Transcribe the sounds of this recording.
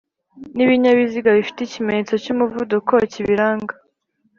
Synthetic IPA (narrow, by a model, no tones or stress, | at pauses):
niβiɲaβiziɡaβifi̥teicimeɲet͡so̞comuvudukociβiɾaːŋɡa